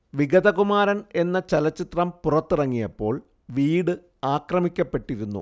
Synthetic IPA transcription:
ʋiɡɐd̪ɐɣumaːɾɐne̞nːɐt͡ɕɐlɐt͡ɕːit̪rɐmpurɐt̪ːirɐŋːijɐpːo̞̰ːɭ | ʋiːɽɨ | aːkrɐmikʲːɐpːe̞ʈːiɾunːṵ

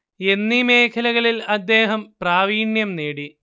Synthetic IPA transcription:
e̞nːime̞ːkʰɐlɐɣɐɭilɐd̪ːe̞ːɦɐmpraːʋiːɳjɐmneːɽi

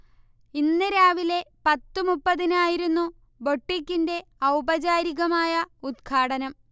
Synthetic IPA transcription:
inːɨɾaːʋile̞pɐt̪ːumupːɐðinaːjiɾunːu | bo̞ʈːikʲːinde̞ɐwbɐd͡ʑaːɾiɣɐmaːjɐud̪̚kʰaːɽɐnɐm

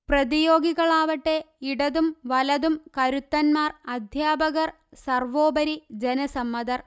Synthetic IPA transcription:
prɐðijo̞ːɡiɣɐɭaːʋɐʈːe̞ | iɽɐðumʋɐlɐðumkɐɾut̪ːɐnmaːrɐd̪ʱjaːbɐɣɐr | sɐrʋoːbɐɾid͡ʑenɐsɐmːɐðɐr

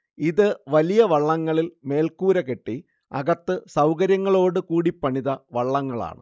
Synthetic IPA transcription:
iðɨʋɐlijɐʋɐɭːɐŋːɐɭilme̞ːlkuːɾɐke̞ʈːi | ɐ̰ɣɐt̪ːɨsɐwkɐɾjɐŋːɐɭo̞ːɽɨkuːɽipːɐɳiðɐʋɐɭːɐŋːɐɭa̰ːɳɨ̰

